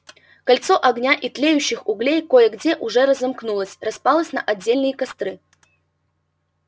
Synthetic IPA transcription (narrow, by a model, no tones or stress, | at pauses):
kɐlʲt̪soʔɐɡnʲaʔit̪lʲejʉɕːɪxʊɡlʲejkojəɡdʲeʔʊʐɛɾəzɐmknulˠəsʲrɐspɑlˠəsʲnɐ̰ʔɐdʲːelʲnɨjəkɐst̪ɾɨ